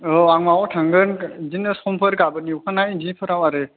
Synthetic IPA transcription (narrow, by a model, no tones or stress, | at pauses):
ɔaŋmawɔtʰaŋɡɯnzinɯsɔmpʰɯɾɡabɯniwkʰanajindipʰɯɾawaɾe